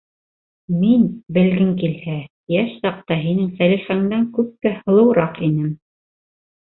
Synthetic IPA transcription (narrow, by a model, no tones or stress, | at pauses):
minbɘ̆lɡɘŋkilhæ | jæʃsɑq̚t̪ɑɦinɘŋfæliχæŋd̪æŋkʉp̚k̪æhɤ̆lˠɤ̆wɾɑqinɘm